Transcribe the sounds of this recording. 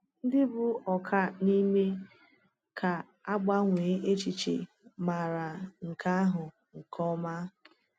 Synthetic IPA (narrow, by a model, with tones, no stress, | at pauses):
n̩˦dɪ˦bʊ˦ɔ˨kʰa˦ni˦me˦ | ka˨ | a˦ɡ͡ba˦ŋʷeː˨˦ʔe˦t͡ʃi˨t͡ʃḛ˨ | ma˨ɾa˨ŋ̩˨ka˦a˦ɦʊ˨ | ŋ̩˨kʰɔ˦ma˦